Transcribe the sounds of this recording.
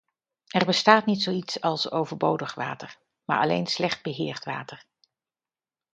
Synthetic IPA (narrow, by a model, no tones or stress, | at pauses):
ɛɹbəstaːtnitsowitsɑlˠsowvəɹbowdəχʋa̰ːtəɹ | ma̰ːɹʔɑ̰lḛjnslɛχd̚bəɦɪːɹtʋa̰ːtəɹ